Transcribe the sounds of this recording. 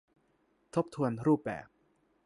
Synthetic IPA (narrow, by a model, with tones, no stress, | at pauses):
t̪ʰo˦˥p̚t̪ʰu˧ənɾuː˥˩p̚bɛ̰ː˨˩p̚